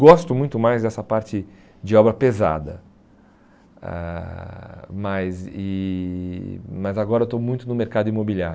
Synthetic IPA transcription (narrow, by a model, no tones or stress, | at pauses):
ɡɔst̪ʊmũj̃t̪ʊmajzd̪ɛsɐpaɾt͡ʃɪ | d͡ʒɪɔbɾɐpeza̰d̪ɐ̰ | ɛ̰ | mɐzɪ | mɐzaɡɔɾɐewt̪omũj̃t̪ʊnʊmeɾkad̪ʊimobilia̰ɾʊ